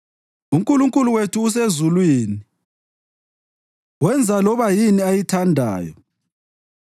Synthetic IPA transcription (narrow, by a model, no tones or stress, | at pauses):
uŋkʼuluŋkʼuluwetʰuːs̬ezulwiːnii | wɛnd͡zʱalɔβajiniajitʰandʱa̰ːjɔ